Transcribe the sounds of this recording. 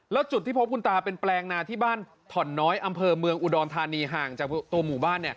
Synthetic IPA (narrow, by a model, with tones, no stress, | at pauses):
lɛ˦˥wt͡ɕu˨˩t̪ʰːiː˥˩pʰo˦˥p̚kʰu˧nt̪aː˧pe˧nplɛː˧ŋnaː˧t̪ʰiː˥˩baː˥˩n | t̪ʰɔ˨˩˦nːɔː˦˥jʔa˧mpʰɤː˧mɯ˧əŋʔu˨˧dɔː˧nt̪ʰaː˧niː˧ɦaː˨˩ŋt͡ɕaː˨˩t̪u˧ɐmuː˨˩baː˥˩nːi˥˩ɐ